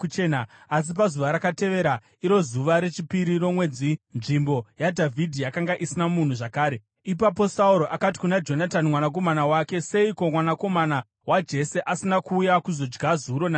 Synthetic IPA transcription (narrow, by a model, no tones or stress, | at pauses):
kut͡ʃe̞naas̬ip̬azuʋaɾakate̞ʋe̞ɾa | iɾo̞zuʋaɾe̞t͡ʃipiɾiɾo̞mwe̞d͡zinʐimbo̞jadʱavʱidʱijakaŋɡaʔisinamun̤uʐakaːɾe̞ | ipap̬o̞sauɾo̞ʔakat̬i̥kunad͡ʒo̞natanimwanak̬o̞manawake̞se̞iko̞mwanako̞mana | wad͡ʒe̞se̞ʔasinakuːjakuzo̞d͡ʒɡazuɾo̞na